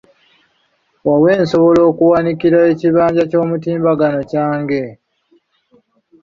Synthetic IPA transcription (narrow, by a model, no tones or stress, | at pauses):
wawe̞ːnso̞βo̞lo̞ːkuwanikiɾae̞ciβaːɲɟaco̞ːmutiːmbaɡano̞caːŋɡe̞